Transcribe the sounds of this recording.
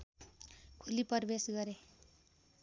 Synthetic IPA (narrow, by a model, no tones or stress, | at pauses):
kʰulipʌrbesɡʌɾe